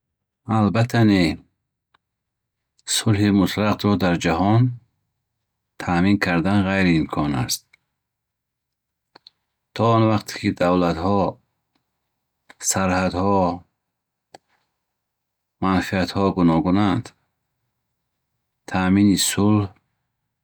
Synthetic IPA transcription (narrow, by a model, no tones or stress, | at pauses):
albat̪ʰane | sulhimut̪ɾaqd̪ɾɔd̪aɾd͡ʒahɔn | t̪ʰamiŋkʰaɾd̪anʁajɾiːmkʰɔna̰st̪̚ | t̪ʰɔɔnvaqt̪ʰe̥kʰid̪avlat̪hɔ | saɾhad̪hɔ | manfiat̪hɔɡunɔɡunand̪ | t̪ʰaminisulh